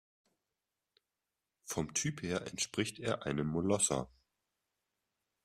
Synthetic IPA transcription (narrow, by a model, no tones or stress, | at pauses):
fɔmtʰyːpheːɐʔɛntʃpʁ̥ɪçteːɐʔaɪnəmmolɔsɐ̰